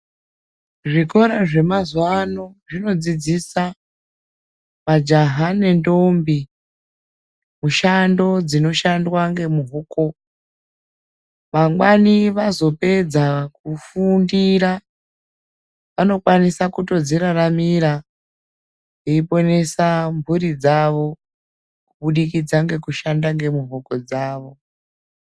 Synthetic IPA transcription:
ʐiko̞ɾaʐe̞mazwano̞ʐino̞d͡zid͡zisa | mad͡ʒaɦane̞ndombi | muʃando̞d͡zino̞ʃandwaŋɡe̞muɦoko̞ | ʋaŋwaniʋazo̞pe̞d͡zakufundiɾa | ʋano̞kwanisakuto̞d͡ziɾaramiɾa | jeipo̞ne̞sambʱuɾid͡zaʋo̞ | kuɓuɗikid͡zaŋɡe̞kuʃandaŋɡe̞muvoko̞d͡zaːʋo̞

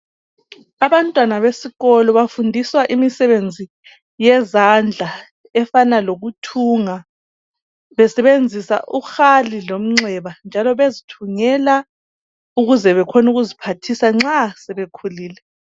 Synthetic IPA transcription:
aβantʼwanaβesiɣɔlɔβafundʱiswaʔimisɛβend͡zʱi | jɛzand͡ɮʱa | ɛfanaloɣutʰuːŋa | βɛsɛβend͡zʱisa̰ʔuxalilom̩ŋ͡ǀʱwɛβand͡ʒʱalɔβezitʰuŋɛla | uɣuzɛβɛkʰonuɣuzipʰatʰisaŋ͡ǁasɛβekʰuliːlɛ

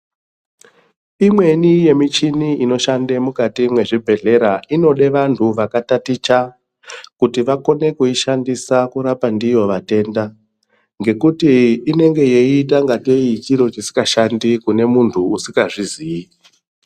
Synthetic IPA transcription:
imwe̞nije̞mit͡ʃiniino̞ʃandemukatimwe̞ʐibʱe̞ɮe̞ɾaino̞ɗe̞ʋantʰuʋakatatit͡ʃa | kutiʋako̞ne̞kuiʃandisakuɾapandijo̞ʋate̞ːnda | ŋɡe̞kutiːne̞ŋɡe̞jeit̬aŋɡateikiɾo̞t͡ʃisi̥kaʃandikune̞muntʰuːsi̥kaʐizii

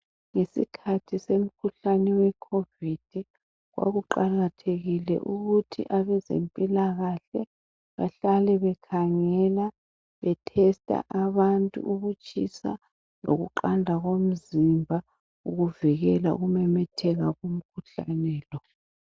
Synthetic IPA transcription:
ŋesikʰatʰisem̩kʰuɬanɛwɛkʰovid̥ʱi | ɣwa̰ɣuǃaɣatʰeɣilɛ̰ʔuɣutʰḭʔaβɛzḛmpʼilaɣaɬɛ | βa̰ɬalɛβɛkʰaŋɛla | βɛtʰɛstʼa̰ʔaβantʼṵuɣut͡ʃʼʰisa̰ | loɣṵǃandʱaɣom̩zimbʱa | uɣuviɣɛlaṵɣumɛmɛtʰɛɣaɣum̩kʰuɬa̰nɛːlɔ

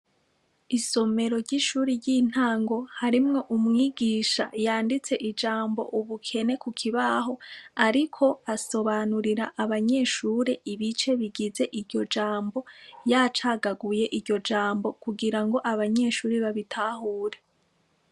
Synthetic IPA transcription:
iso̞me̞ɾo̞ɾɟiʃuːɾiɾɟiːn̥aːŋɡo̞haɾimŋo̞ʔumŋiːɡiːʃa̰jaːndit͡se̞ʔid͡ʒaːmbo̞̰ʔuβukʰe̞ne̞kukʰiβaɦo̞aɾikʰo̞aso̞βanuɾiɾaʔːβaɲe̞ːʃuːɾeiβit͡ʃe̞βiɡize̞ʔiɾɟo̞d͡ʒaːmbo̞jat͡ʃaːɡaɡuje̞ʔiɾɟo̞d͡ʒaːmbo̞kuɡiɾaŋɡo̞ʔaβaɲe̞ːʃuːɾiβaβitʰahuːɾe

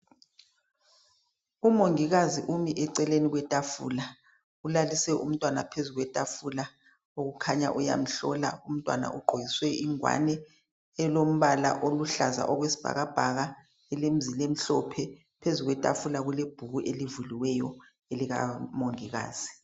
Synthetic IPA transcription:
umoŋiɣaziʔumiʔɛǀɛleniɣwɛtʼafṵːla | ulalisɛʔṵm̩tʼwana̰pʰezuɣwɛtʼafula | oɣukʰaɲa̰ʔuja̰m̩ɬɔla̰um̩tʼwa̰na̰ʔuɡ͡ǃʱojiswɛʔiŋwa̰nɛː | lom̩βala̰ʔoluɬaza̰ʔɔɣwesi̥b̥ʱa̰ɣab̥ʱaɣa | ɛlem̩zilem̩ɬɔpʰɛ | pʰezuɣwɛtʼafulaɣuleb̥ʱuɣuʔelivuliwɛjɔ | eliɣa̰moŋiɣa̰ːz̥i

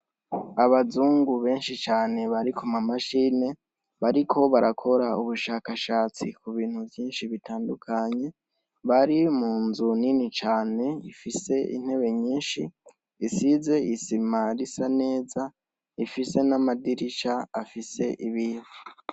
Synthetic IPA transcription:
aβazuːŋɡuβe̞ːnʃit͡ʃaːne̞βaɾikʰumamaʃiːne̞ | βaɾikʰo̞βaɾʔakʰo̞ɾauβuʃaːkaʃaːt͡sikuβiːn̥huvjiːnʃiβitʰaːndukʰaɲe̞ | βaɾimuːnzuninit͡ʃaːne̞ifise̞ḭn̥he̞βe̞ɲiːnʃiː | size̞isimaɾisane̞ːza | ifise̞namadiɾit͡ʃaafise̞ʔiβiːvu

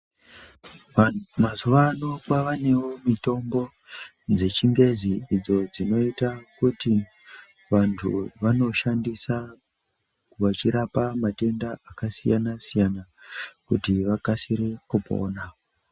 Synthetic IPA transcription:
mazuʋano̞kwaʋane̞wo̞mito̞mbo̞ | d͡ze̞t͡ʃiŋɡe̞ziid͡zo̞d͡zino̞itakuti | ʋantʰṵʋano̞ʃandisa | kuʋat͡ʃiɾapamate̞ndaʔakasijanasijanakutiʋakasiɾekupo̞̰ːna

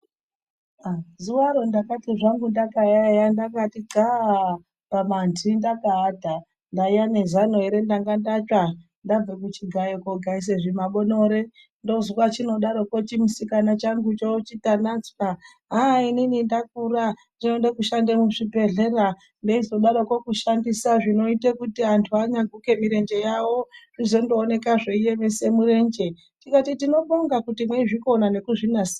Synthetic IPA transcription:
azuwaɾo̞ndakatiʐaŋɡundakajajandakatiɡʱa | pamandindakaːdʱa | ndaijane̞zanueɾe̞ndaŋɡandat͡ʃa | ndab͡vekut͡ʃiɡʱajokoɡʱais̬eʐimaɓonoɾe | ndo̞zukwat͡ʃino̞ɗaɾokot͡ʃimusikanat͡ʃaŋɡut͡ʃot͡ʃitanat͡ska | ɦaininindak̚ura | ndino̞ndekuʃandemuʐibʱe̞ɮe̞ra | ndeizoɗaɾokokuʃandisaʐino̞itekutiantʰuaɲaɡʱuke̞miɾe̞ɲd͡ʒe̞jaworizo̞ndoːne̞kaʐeije̞ʋese̞muɾe̞nd͡ʒe̞ | tikatitino̞ɓoŋɡakutimweiʐiko̞nane̞kuʐinasi̥

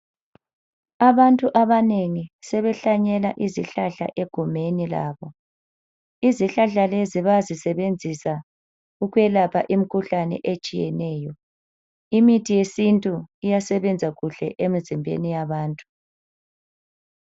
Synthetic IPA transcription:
aβantʼuʔaβaneŋisɛβɛɬaɲɛlaʔiziɬaɬa̰ʔeɡ̥ʱumenila̰ːβɔ | iziɬaɬaleziβaazisɛβend͡zʱisa | uɣwɛlapʰa̰ʔim̩kʰuɬanɛ̰ʔet͡ʃʼijɛ̰nɛːjɔ | imitʰʼijesintʼuijasɛβɛnd͡zʱaɣuɬɛʔemizimbʱḛnijaβaːntʼu̥

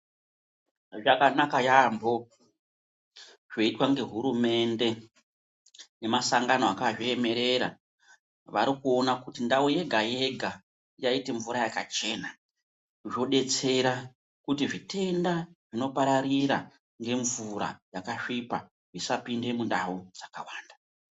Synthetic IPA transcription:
ʐakanakajambo̞ | ʐ̥o̞itwaŋɡe̞ɦuɾume̞nde̞ | ne̞masaŋɡanoakaʐie̞me̞ɾe̞ɾa̰ | ʋaɾikuo̞nakutindawoje̞ɡʱaje̞ɡʱa | jaiteɱvuɾajakat͡ʃe̞ːna | ʐo̞ɗe̞t͡se̞ɾa | kutiʐite̞ndaʐino̞paɾaɾiɾa | ŋɡe̞ɱvuɾa̰jakaʂipa̰ | ʐisapinde̞mundawod͡zakawaːnda

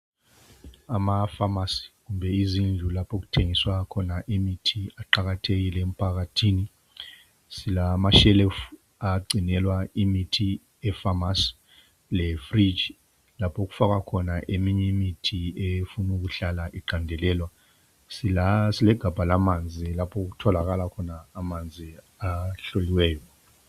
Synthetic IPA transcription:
amafamasi̥k̬umbʱɛizind͡ɮʱulapʰok̬u̥tʰeŋiswakʰɔnaʔemitʰiaǃak̬atʰek̬ilɛm̩pʰak̬atʰiːni | silamaʃɛlɛf | aɡ͡ǀʱinɛlwaimitʰi | ɛfamas | lɛfrid͡ʒ | lapʰok̬u̥fak̬akʰɔnaʔemiɲɛmitʰiefunuk̬uɬalaʔiǃandʱɛlɛːlwa | sisilɛɡ̥ʱab̥ʱalamand͡zʱilapʰɔk̬utʰɔlak̬alakʰɔnaːmand͡zʱi | aɬoliwɛːjɔ

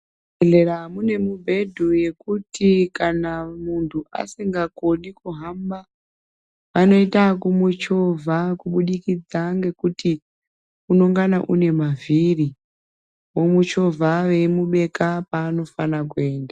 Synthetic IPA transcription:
eɮeɾamune̞mubʱe̞dʱuje̞kutikanamuntʰua̰siŋɡakoɗikuɦamba | ʋano̞itakumut͡ʃo̞vʱakuɓuɗikid͡zaŋɡe̞kuti | unoŋɡanaʔune̞maviɾi | wo̞mut͡ʃo̞vʱaʋe̞muɓe̞kapaːno̞fanakue̞ːnda

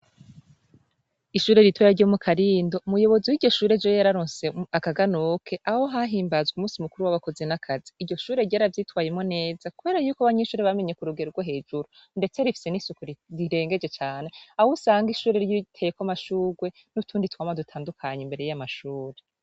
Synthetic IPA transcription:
iʃuːɾe̞ɾitweɾaɾɟo̞mukʰaɾiːndo̞umujo̞βo̞ziwiɟo̞ʃuːɾed͡ʒojaɾaɾoːnseakaɡanokʰe̞ʔaho̞ɦaɦiːmbazɡumuːsimukuɾuwaβako̞zinakʰaziːɟo̞ʃuːɾe̞ɟaːɾavjiːtwaːjemŋo̞ne̞ːzakuβe̞ːɾajuːkaβaɲeʃuːɾeβameɲe̞kuɾuɡeɾuɾɡwoɦe̞ːd͡ʒuɾu | nde̞t͡se̞ɾifi̥se̞nisukuɾɾiɾe̞ːŋɡe̞d͡ʒe̞t͡ʃaːne̞ahusaːŋɡiʃuːɾeɾtʰejekamaʃuːɾwe̞ | nutʰuːnditwaːmadutʰaːndukʰaɲeimbe̞ɾe̞jamaʃuːɾe̞

